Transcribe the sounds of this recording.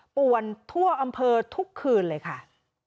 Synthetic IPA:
pu˨˩ənt̪ʰu˥˩əʔa˧mpʰɤː˧t̪ʰu˦˥kʰːɯː˧nlɤː˧jkʰa˥˩

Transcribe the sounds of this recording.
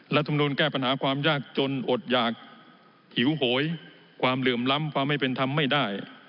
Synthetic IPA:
ɾa˦t̪ʰːm˧nuː˧nkɛː˥˩pa˧nɦaː˩˦kʰwaː˧mjaː˥˩k̚t͡ɕo˧nʔo˨˩t̪̚jaː˨˩k̚ | hi˩˦wɦoː˩˦j | kʰwaː˧mlɯ˨˩əmla˦˥mkʰwaː˧mːa˥˩jpe˧nt̪ʰa˧mːa˥˩jdaː˥˩j

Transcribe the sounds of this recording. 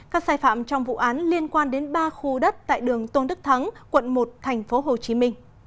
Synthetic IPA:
kaː˦˥k̚saː˧jfa̰ː˧˨mt͡ɕɔ˧wŋ͡mvṵ˧˨ʔaː˨˦nli˧ənkwaː˧nɗe˨˦nɓaː˧xu˧ɗə˦˥t̚t̪a̰ː˧˨jɗɨ˨˩əŋt̪o˧nɗ̪ɨ˦˥k̚t̪ʰə˨˦ŋkwə˧˨nmo˨˩t̚t̪ʰɛ˨˩ŋ̟fo˨˦ɦo˨˩t͡ɕi˨˦mï˧ŋ̟

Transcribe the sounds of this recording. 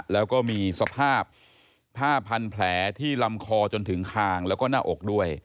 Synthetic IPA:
lɛː˦˥wkɔː˥˩miː˧sa˧pʰaː˥˩p̚ʰː | aː˥˩pʰːa˧npʰlɛː˩˦t̪ʰiː˥˩la˧mkʰɔː˧t͡ɕo˧nt̪ʰɯ˩˦ŋkʰaː˧ŋlɛ˦˥wkɔː˥˩naː˥˩ʔo˨˩k̚du˥˩əj

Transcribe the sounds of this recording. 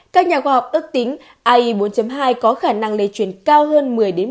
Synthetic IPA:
kaː˦˥k̚ɲaː˨˩xwaː˧˩ha˨˩wk͡p̚ʔɨ˦˥ək̚t̪ï˨˦ŋ̟ | ʔaː˧ʔi˧ɓo˨˦nt͡ɕə˨˦mɦaː˧jkɔ˨˦xaː˧˩na˧ŋlḛ˧˨˩t͡ɕwi˧˩ənkaː˧wɦəː˧nmɨ˨˩əjɗe˨˦n

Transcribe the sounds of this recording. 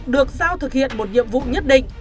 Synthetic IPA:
ɗɨ˨˩ək̚zaː˧wt̪ʰɨ˨˩k̚hḭ˧˨ənmo˨˩t̚ɲḭ˧˨əmvṵ˧˨ɲə˦˥t̚ɗḭ̈˧˨ŋ̟

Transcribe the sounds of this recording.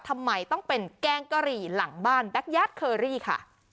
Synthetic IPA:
t̪ʰa˧mːa˧jt̪ɔ˥˩ŋpe˧nkɛː˧ŋka˧ɾiː˨˩la˩˦ŋbaː˥˩nbɛ˦˥k̚jaː˦˥˩t̪̚kʰɤː˧ɾiː˥˩kʰa̰˥˩

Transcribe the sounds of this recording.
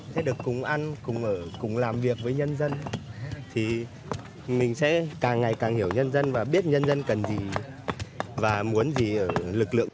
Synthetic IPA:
sɛ̰˧˥ɗɨ˨˩əkːʊ˨˩ŋ͡mʔa˧nkʊ˨˩ŋ͡mʔəː˧˩kʊ˨˩ŋ͡mlaː˨˩mvi˨˩ək̚vəː˨˦jɲə˧nzə˧nt̪ʰi˨˩ | mï˨˩ŋ̟sɛ̰˧˥kaː˨˩ŋːa˨˩jkaː˨˩ŋhi˧˩əwɲə˧nzə˧nvaː˨˩ɓi˦˥t̚ɲə˧nzə˧nkə˨˩nzi˨˩ | vaː˨˩mu˨˦ənzi˨˩ʔəː˧˩lɨ˨˩k̚lɨ̰˧˨ə

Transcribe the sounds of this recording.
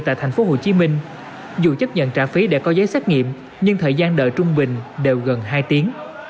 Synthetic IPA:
t̪a̰ː˧˨jt̪ʰjŋ̟fo˨˦ɦo˧˩t͡ɕi˨˦mï˧ŋ̟ | zṵ˧˨t͡ɕə˦˥p̚ɲə̰˧˨nt͡ɕaː˧˩fi˨˦ɗḛ˧˩kɔ˨˦zəː˨˦jsɛː˦˥t̚ŋḭ˧˨əm | ɲɨ˧ŋt̪ʰəː˨˩jzaː˧nɗə̰ː˧˨jt͡ɕʊ˧ŋ͡mɓï˨˩ŋ̟ɗe˨˩wɣə˨˩nɦaː˧jt̪i˨˦əŋ

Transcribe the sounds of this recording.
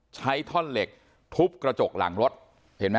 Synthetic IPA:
t͡ɕʰa˦˥jt̪ʰɔ˥˩nle˨˩k̚ | t̪ʰu˦˥p̚kɾa˧t͡ɕo˨˩k̚la̰˩˦ŋɾo˦˥t̪̚ | he˩˦nma˦˥

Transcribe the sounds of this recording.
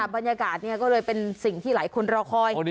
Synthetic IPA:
a˧˩ba˧njaː˧kaː˨˩t̪̚ni˥˩ɐkɔː˥˩lɤː˧jpe˧nsi˨˩ŋt̪ʰiː˥˩laː˨˩˦jkʰu˧nɾɔː˧kʰɔː˧j

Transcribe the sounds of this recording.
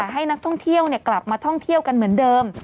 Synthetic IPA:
ɦa˥˩jna˦˥k̚t̪ʰɔ˥˩ŋt̪ʰi˥˩əwni˥˩kla˨˩p̚maː˧t̪ʰɔ˥˩ŋt̪ʰi˥˩əwka˧nmɯ˩˦əndɤː˧m

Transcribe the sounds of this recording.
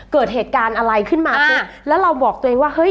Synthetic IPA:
kɤː˨˩t̪̚ɦeː˨˩t̪̚kaː˧nʔa˧ɾa˧jkʰɯ˥˩nmaː˧kʰɯ˦˥˩lɛː˦˥wɾa˧wbɔː˨˩k̚t̪u˧ʔeː˧ŋwaː˥˩hɤ˦˥j

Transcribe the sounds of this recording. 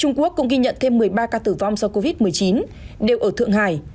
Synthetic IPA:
t͡ɕʊ˧ŋ͡mku˦˥əkːʊ̰˧˥ŋ͡mɣi˧ɲə̰˧˨nt̪ʰe˧mːɨ˨˩əjɓaː˧kaː˧t̪ɨː˧˩va˧wŋ͡msɔ˧wko˧vi˦˥t̚mɨ˨˩əjt͡ɕi˨˦n | ɗe˨˩wʔəː˧˩t̪ɨ̰˧˨əŋɦa̰ː˧˩j

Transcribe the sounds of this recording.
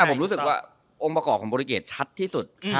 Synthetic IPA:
a˥˩pʰo˩˦mɾu˦˥sɯ˨˩k̚waː˥˩ | ʔo˧ŋpɾa˧kɔː˨˩p̚kʰɔ˩˦bɔː˧ɾiː˧keː˨˩t̚t͡ɕʰa˦˥t̪ʰːiː˥˩su˨˩t̪̚ʰ

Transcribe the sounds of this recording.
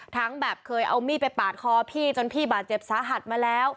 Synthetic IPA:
t̪ʰa˦˥ŋbɛː˨˩p̚kʰɤː˧jʔa̰˧wmiː˥˩pa˧jpaː˨˩t̪̚kʰɔː˧pʰiː˥˩t͡ɕo˧npʰiː˥˩baː˨˩t̪̚t͡ɕe˨˩p̚saː˨˩˦ɦa˨˩t̪̚maː˧lɛː˦˥w

